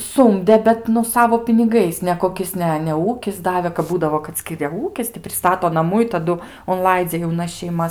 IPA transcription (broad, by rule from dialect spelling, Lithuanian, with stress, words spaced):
ˈsʊmʲdʲɛ bʲɛt nʊ ˈsɑːʋoː pʲɪnʲɪˈɡɐɪs nʲɛkoːˈkʲɪs nʲɛ nʲɛ ˈuːkʲɪs ˈdɑːʋʲeː kɐp ˈbuːdɐʋoː kɐt ˈsʲkʲɪrʲɛ ˈuːkʲɪs tʲɪ pʲrʲɪˈstɑːtoː nɐˈmuː ɪ tɐˈdʊ ʊnˈlˠɐɪd͡zʲɛ jɛʊˈnɐs ʃʲɛɪˈmɐs